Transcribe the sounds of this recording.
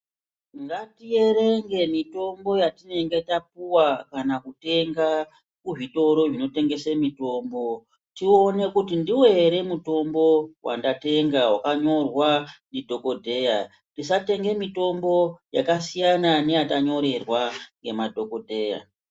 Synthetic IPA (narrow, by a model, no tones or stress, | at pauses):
ŋɡatije̞re̞ŋɡe̞mito̞mbo̞jatine̞ŋɡe̞tapuwakanakute̞ŋɡa | kuʐito̞ɾo̞ʐino̞te̞ŋɡe̞semito̞ːmbo̞ | tio̞ne̞kutindiwe̞ɾe̞muto̞mbo̞wa̰ndate̞ŋɡawakaɲo̞rwandidʱo̞ko̞dʱe̞ja | tis̬ate̞ŋɡe̞mito̞mbo̞jakasijanane̞jataɲo̞ɾe̞rwaŋɡe̞madʱo̞ko̞dʱe̞ːja̰